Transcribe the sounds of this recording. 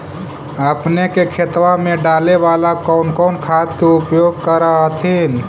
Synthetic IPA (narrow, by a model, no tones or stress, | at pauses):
əpnekekʰet̪wamẽɖaleʋalakɔʊnkɔʊnkʰat̪keupjoɡ̚kəɾaɦət̪ʰin